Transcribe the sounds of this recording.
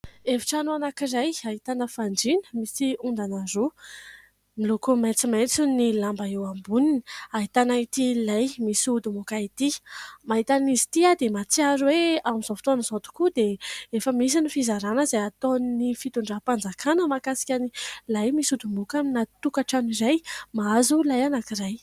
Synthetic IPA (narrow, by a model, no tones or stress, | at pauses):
evi̥ʈ͡ʂanuanakiɾajaɦit̪anəfaɳɖ͡ʐinə̥misiund̪anazo | milokumet͡simat͡sunilambaewambuninaɦit̪anait̪ilajmisud̪umukait̪imaɦit̪anizi̥t̪iad̪emat͡siaɾuweamizofi̥t̪oanzot̪u̥kud̪eefəmis̬inifizaɾanəzajat̪onnifit̪uɳɖ͡ʐapand͡zakʰanəmakasi̥kʲanilajmisud̪umukaminat̪ukaʈ͡ʂaniɾajmaazulajanakiɾaj